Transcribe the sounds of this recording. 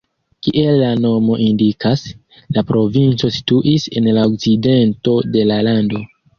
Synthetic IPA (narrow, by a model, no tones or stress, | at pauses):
kiʔe̞lːano̞mo̞ʔindikas | lapɾo̞vint͡so̞si̥tuʔise̞nlaokt͡side̞nto̞de̞lalando̞